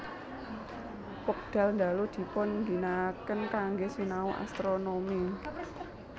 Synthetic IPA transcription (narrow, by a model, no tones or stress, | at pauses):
pɔk̚d̪̥a̤lnd̪alod̪̥i̤pɔnɡi̤nakənkaŋɡesinauʔa̰st̪ɾonomi